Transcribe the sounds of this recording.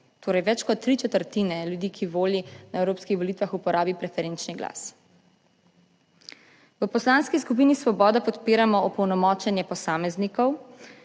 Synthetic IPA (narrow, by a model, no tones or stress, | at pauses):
t̪oːɾɐjʋɛt͡ʃkɔt̪ːɾit͡ʃɛt̪əɾt̪inɛljud̪iːkʰiʋoːlinaewɾoːpskixʋɔlit̪ʋaxupɔɾaːbipɾɛfɛɾent͡ʃniɡla̰s | ʋəpɔslanskiskupiːnisʋɔbɔːd̪apɔt̪piːɾamɔɔpɔwnɔmɔːt͡ʃɛnjɛpɔsaːmɛznikɔw